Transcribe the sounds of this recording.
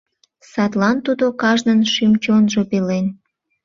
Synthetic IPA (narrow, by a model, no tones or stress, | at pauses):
sɑt̪lɑnt̪ud̪okɑʒnənʃimt͡ɕonʒopelen